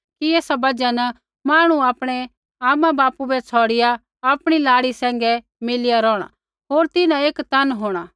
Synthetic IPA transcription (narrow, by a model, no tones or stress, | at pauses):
kieːsabɐd͡ʒan | maːɽ̃uaːpɽ̃ɛ | aːmãbaːpubɛt͡sʰɔːɽɪja | aːpɽ̃ilaːɽisɛ̃ːŋɡɛ | mɪlɪjaɾɔːɽ̃a̰ | ɦoːɾt̪ɪnãeːkt̪ɐnɦoːɽ̃a